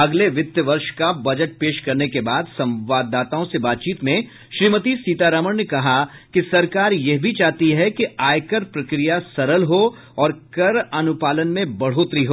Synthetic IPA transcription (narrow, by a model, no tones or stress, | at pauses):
ɐɡleʋɪt̪jəʋɐɾʃkabɐd͡ʒəʈ̚peːʃkɐɾnekebaːd̪sɐ̃mʋaːd̪ːaːt̪aːõsebaːt̪̚t͡ʃiːt̪mẽ | ʃɾiːmət̪isiːt̪aːɾəməɽnekɐɦakisɐɾkaːɾjɛɦbʱit͡ʃaːɦt̪iɦɛkiaːjkəɾpɾɐkɾijasɐɾəlɦo | ɔːɾkɐɾɐnʊpaːlənmẽbɐɽ̤oːt̪ɾiɦoː